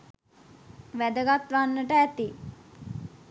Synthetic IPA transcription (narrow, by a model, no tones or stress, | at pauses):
ʋæd̪əɡat̪ʋanːəʈəæt̪i